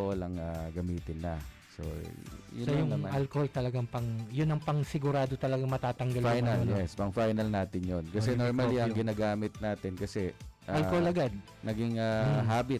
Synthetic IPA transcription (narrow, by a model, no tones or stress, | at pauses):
olɐŋaɡɐmiːt̪ɪnːɐ | so̰jʊsɐjʊŋmʔalkoholt̪ɐlɐɡaŋpɐŋjʊnːɐŋpɐŋsɪɡʊɾaːd̪ot̪ɐlɐɡaŋmɐt̪aːt̪ɐŋɡɐlajnɐljɛspɐŋfajnɐlnaːt̪ɪnjonkɐsɛnoɾɹmɐlliʔɐŋɡɪnaɡaːmɪt̪̚naːt̪ɪnkɐsɛʔɐlkoholɐɡad̪̚ | nɐɡiŋaɦaːbɪt̪̚